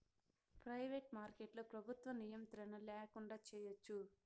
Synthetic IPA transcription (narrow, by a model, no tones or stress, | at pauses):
pɾɐjʋeːʈmaːɾkeʈlopɾɐbʱut̪ʋɐnijɐmt̪ɾɐnɐlɛːkuɳɖaːt͡ʃɛːjot͡ʃːu